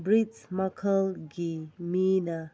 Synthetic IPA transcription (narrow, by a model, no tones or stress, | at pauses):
bɾit͡ʃmakʰəlɡiminɐ